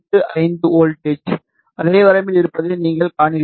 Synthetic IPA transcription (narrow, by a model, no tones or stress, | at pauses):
d̪ɯʔɐɪnd̪ɯoːlʈet͡ʃ | ʔɐðeːʋɐɾɐɪmɪlɪɾɯpːɐðɯniːŋɡɐɭkaːɳɪ